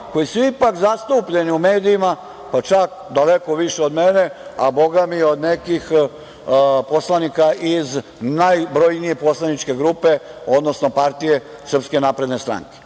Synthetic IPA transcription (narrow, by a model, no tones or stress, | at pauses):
ko̞jisuipakzast̪uːpʎe̞niume̞ːd̪iima | pat͡ʃak | d̪alekoʋiʃeod̪mene̞a̰bo̞ɡamio̞d̪nekix | po̞slˠanikaʔiz | najbɾo̞jnijepo̞slanit͡ʃke̞ɡɾuːpe̞o̞d̪no̞snopaɾt̪ije̞ | sr̩pskenapɾe̞d̪ne̞st̪ɾa̰ŋke̥